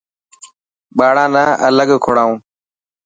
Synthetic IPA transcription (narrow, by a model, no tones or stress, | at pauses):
ɓaːɽãːnaːʔələɠkʰʊɽaːũː